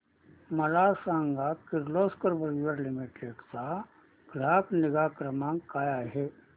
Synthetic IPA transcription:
mɐlaːsãːŋɡakɪɾloːskəɾbəɾiʋəɾlimiʈeksa | ɡ̥ɾaːpnɪɡaːkɾəmãːŋkaːjaɦe

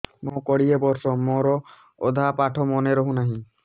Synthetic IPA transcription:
mõkɔɽijebɔɾsɔmoɾɔ | o̰d̪ʱapaʈʰɔmɔneɾɔɦũnaɦĩ

